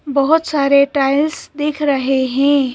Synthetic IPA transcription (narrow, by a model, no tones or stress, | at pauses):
bəɦʊt̪saːɾeʈaɪlsd̪eːkʰɾəɦeɦɛ̃